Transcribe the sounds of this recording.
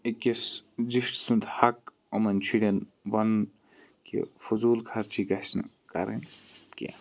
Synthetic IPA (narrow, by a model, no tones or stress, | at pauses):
ekesziʂʈsunt̪hɐk̚ | omɐnt͡ʃʰiɽʲɐn | ʋɐn | kḛfuzuːlkʰɐɾt͡ʃʰikɐsn̰ | kɐ̰ɾḛnkḛ